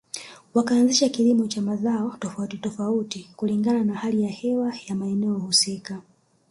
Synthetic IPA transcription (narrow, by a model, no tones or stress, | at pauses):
wakaːnziʃakilimɔt͡ʃamazaɔtɔfautitɔfautikuliŋɡananahalijahɛwajamaɛnɛɔhusika